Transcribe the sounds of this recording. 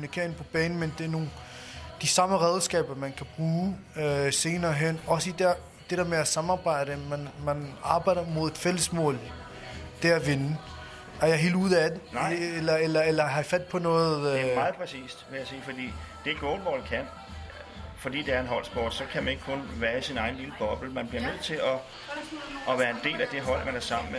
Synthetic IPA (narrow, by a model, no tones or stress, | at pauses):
mnikʰḛɐ̰npʰɒ̽b̥ɛːnn̩mend̥eɐno̝ːnd̥isɑ̈məʁɛðˠsɡ̥ɛ̰ːb̥ɐmænkʰæb̥ʁuːøse̝ːnɐːɦen̰ɒ̽səid̥eɐ | d̥eɾ̥ḛɐ̰meæsɑ̈mɑ̈ːb̥ɑ̈ɪ̰ɾ̥əmænmænɑ̈ːb̥ɑ̈ɪ̰d̥ɐmo̝ð̞̰ˠe̝d̥fel̰əsmɔ̰̽ːl | d̥eæʋe̝n | æɐjɑ̈ɦe̝̰ld̥uðˠæd̥eelɐelɐelɐɦɑfæd̥̚pʰɒ̽nɔ̽ːð̩ˠmɑ̈ð̩ˠpʰʁɛsḭːsd̥ʋe̝jasiːfɒ̽d̥ḭːd̥e̝ɡ̥ɔːnʋɒdikʰæn̰ | fɒd̥ḭːd̥eæɐe̝nɦɒ̽l̰sb̥o̰ːd̥sɒ̽kʰæmæne̝ɡ̥əkʰɔ̽nʋæːɐisinɑ̈ɪn̩liləb̥ɒ̽b̥l̩mænb̥liɐnøð̞̰ˠt͡sʰe̝lɒ̽ | ɒ̽ʋæːɐe̝nd̥e̝̰ːlæd̥e̝ɦɒ̽l̰mænæɐsɑ̈m̰n̩e